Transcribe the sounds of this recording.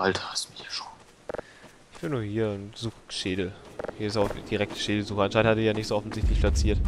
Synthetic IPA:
ʔaltʰɐ̥hastmɪhiːɐʃo̥ːn | ʔɪçb̥ɪnuːɐhiːɐʊntz̥uːxʃeːdl̩hiːɐɪsaʊxd̥iʁɛk̚tʰə̥ʃeːdl̩zuːxəʔanʃaɪnthatəɪçjaːnɪçtz̥oːɔfn̩zɪçtlɪçpʰlat͡siːɐt

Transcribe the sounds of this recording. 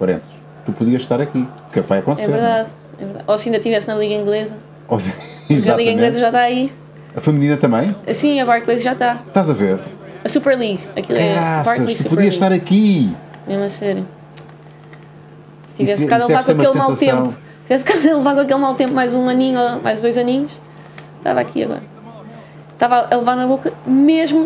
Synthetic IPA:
kwɐɾḛ̃nt̪ʃ | t̪upuðiɐʃt̪aɾɐkiukɛkvajɐkõnsɛeɾvɾðað | ɛ̰vɨɾða̰ðosɐĩd̪ɐʃt̪ivɛsnɐlˠiɣɐĩŋɡlˠezɐ | os | izaɐtliɣɐĩɡlˠezɐʒat̪aɐi | ɐfɨmninɐt̪ɐ̃mɐ̃j̃sĩɐβaɾklˠezʒat̪aʃt̪azɐveɾɐsupɛɾlˠiɣɐkilˠɛaɾkɛlˠisuupuðpiɐʃʃt̪aɾɐkimeʒmɐsɛɾju | st̪ivɛskazɐlˠɛvaɾkõumɐkelˠẽm̃alˠsɐst̪ẽmwpu | st̪ivɛskazɐlˠɨvaɾkõɐkelˠmalˠt̪ẽmpmajzũɐnĩɲuomʔa̰jʒd̪ojzɐnĩɲuʃ | t̪a̰va̰kḭɐ̰ɣɔ̰ɾɐ | t̪avaʔlˠɨvaɾnɐβokɐmeʒmu

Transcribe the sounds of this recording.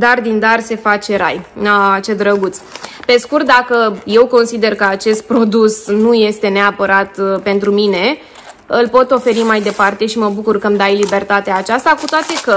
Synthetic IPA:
d̪ard̪ind̪arse̞fat͡ʃe̞ɾa̰jat͡ʃed̪ɾəɡut̪spe̞skurt̪̚d̪akəje̞wko̞nsid̪e̞rkəat͡ʃe̞st̪̚pɾo̞d̪usnuje̞st̪e̞neapəɾat̪pe̞nt̪ɾumine̞ | ɨlpo̞t̪o̞fe̞ɾimajd̪e̞part̪e̞ʃiməbukurkəmd̪ajlibe̞rt̪at̪eaːt͡ʃast̪akut̪oat̪e̞kə

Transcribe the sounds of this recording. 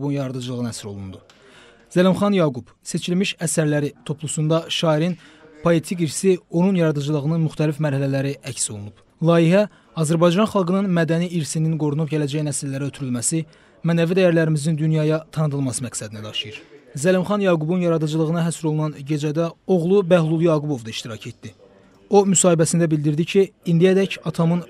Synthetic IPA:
bunjɑɾɑd̪ɯd͡ʒɯlˠɯɣɯnɑæsɾo̞lˠund̪u | zælimχɑnjɑɡub | se̞t͡ʃʰilmiʃæsæɾlæɾit̪ʰo̞pʰlˠusund̪ɑʃɑːiɾin | pʰo̞et̪ʰikiɾsio̞nunjɑɾɑd̪ɯd͡ʒɯlˠɯʁɯnɯnmyxt̪ælifmæɾhælælæɾiʔæcso̞lˠunub | lˠɑːjiɦæ | ɑzæɾbɑjd͡ʒɑnχɑlˠɡɯnɯnmæd̪æniːɾsininɡo̞ɾunupɟælæd͡ʒæjnæsilːæɾæø̞t̪ʰyɾylmæsi | mænævid̪æjæɾlæɾimiznind̪ynjɑjɑt̪ʰɑnɯd̪ɯlˠmɑsɯmæksæd̪inæd̪ɑʃɯjɯɾzælimχɑnjɑːɡubunjɑɾɑd̪ɯd͡ʒɯlˠɯɣɯnɑɦæsɾo̞lˠunɑnɟe̞d͡ʒæd̪æo̞ɣlˠubæhlˠulˠjɑːɡubo̞vd̪ɑiʃt̪iɾɑcʰe̞t̪d̪i | o̞mysɑːhibæsind̪æbild̪iɾd̪icʰiːnd̪iæd̪æcɑt̪ʰɑmɯn

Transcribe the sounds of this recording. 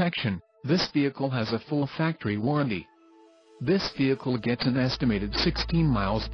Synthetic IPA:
ɛkʃɨ̃n | ðɪsviɨkʰl̩ˠɨzɨfʊlˠfæk̚tʰə˞iwɔɹɨ̃ntḭ | ðɪsv̥iɨkʰl̩ˠɡɛtsɨ̃nɛstɨmeɪɾɨd̥sɪkstʰĩnmaɪlˠz

